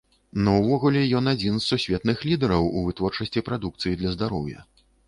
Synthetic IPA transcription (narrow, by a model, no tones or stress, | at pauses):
nɐwvɔɣulʲɛjɔnad͡zʲinzsːusʲvʲɛt̪nɨxlʲid̪ɛɾɐwuvɨt̪vɔrt͡ʂɐsʲt͡sʲipɾad̪uk̚t̪sɨjid̪lʲɐzd̪aɾɔwjɐ̰